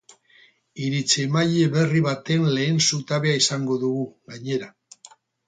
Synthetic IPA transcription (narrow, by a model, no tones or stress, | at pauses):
iɾit͡semaʎe̞βe̞riβat̪e̞nle̞ːnsut̪aβe̞aisaŋɡo̞ðuɣuɣaɲe̞ɾa